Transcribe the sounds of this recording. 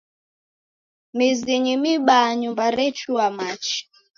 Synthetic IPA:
miziɲimiɓaɲumbaɾɛt͡ʃuamat͡ʃi̥

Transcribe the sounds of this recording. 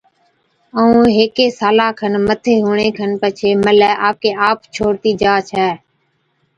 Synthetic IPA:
əũːɦeːkeːsaːlaːkʰənmət̪ʰeːɦuːɳeːkʰənpət͡ʃʰeːməlɛːʔaːp̚keːaːpt͡ʃʰoːɾt̪iːd͡ʒaːt͡ʃʰɛː

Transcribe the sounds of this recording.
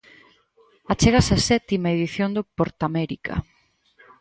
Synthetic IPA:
at͡ʃeɣasasɛt̪imaeðiθjond̪opoɾt̪amɛɾikʰa̰

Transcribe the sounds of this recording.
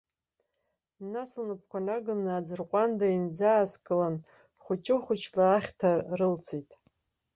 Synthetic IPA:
naslnɨpʰkʷʰalʲaɡɨnɨːd͡zɨrqʷʼandaind͡zaːskʼɨlan | χʷʊt͡ʃʼɪχʷʊt͡ʃʰlaːχʲtʰarɨlt͡sʰijtʼ

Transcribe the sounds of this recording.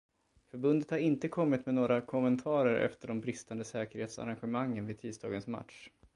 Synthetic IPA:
fœɾbɵnd̪ət̪haɾɪnt̪əkʰɔmːɪt̪mɛnoːɾakʰɔmənt̪ʰɑːɾəɾʔɛ̰ft̪əɖɔmbɾɪst̪and̪əsɛːkəɾheːt̪sa̰ɾanɧəmaŋːənvɪt̪ʰiːst̪ɑːɡənsma̰t̪ʂ

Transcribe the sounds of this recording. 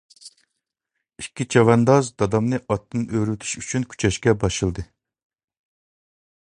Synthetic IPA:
ikʲːit͡ʃʰɑvɛnd̪ɑzd̪ɑd̪ɑmnɨʔɑt̪ːɨnʔøɾyt̪ʰy̥ʃy̥t͡ʃʰynkʲʰy̥t͡ʃʰɛʃkʲɛbɑʃɨlˠd̪ɨ

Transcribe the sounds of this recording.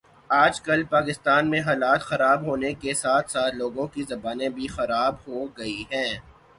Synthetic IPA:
aːd͡ʒkɐlpaːkɪst̪aːnmẽɦaːlaːt̪xɐɾaːbɦoːnekesaːt̪ʰsaːt̪ʰloːɡõkizɐbaːnẽbʱixɐɾaːbɦoɡɐiɦɛ̃ː

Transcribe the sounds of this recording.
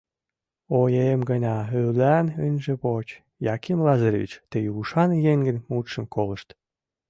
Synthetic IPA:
ojemɡənʲɑyllænynʲʒĕpot͡ɕ | jɑkimlɑzəɾβʲḭt͡ɕt̪ejuuʃɑnjeŋɡə̆nʲmut̪ʃə̆mkolə̆ʃt̪

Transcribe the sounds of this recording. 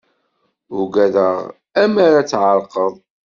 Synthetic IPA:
ʊɡæðəʁ | æmaɾat͡sːʕəɾqəðˤ

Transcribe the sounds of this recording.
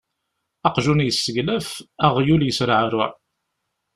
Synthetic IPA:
ɑqʒunjəsːəʝlæfæʁjuljəsɾʕɾʊʕ

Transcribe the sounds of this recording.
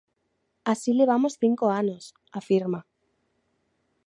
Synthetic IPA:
asileβ̞amosθiŋkoanos | afiɾma

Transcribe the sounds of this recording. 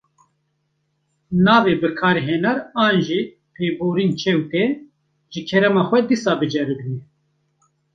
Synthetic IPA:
naːveːbɨkʰaːɾeɦɛnaɾɑːnʒiː | pʰeːboːɾiːnt͡ʃʰɛwt̪ɛ | ʒɨkʰɛɾɛmɑːxʷɛd̪isaːbɨd͡ʒɛɾɨɡnɛ

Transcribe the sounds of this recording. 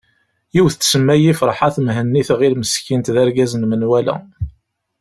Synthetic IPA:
jiwθət͡sːsəmːæjifɾˤħaθmɦənːiθʁilməskint̪ðæɾɡæzənmənwælæ̰

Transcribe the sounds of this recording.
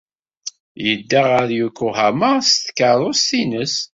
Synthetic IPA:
jəd̪ːaʁəɾjukːʊɦæmast̪kːəðˤʊst̪inəs

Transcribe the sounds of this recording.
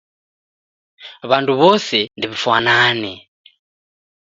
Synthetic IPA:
βantʰuβɔsɛndiβifwanaːnɛ

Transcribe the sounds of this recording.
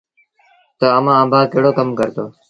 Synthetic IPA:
t̪əəmãːəːbʱaːkeɦɽoːkəmkəɾt̪oː

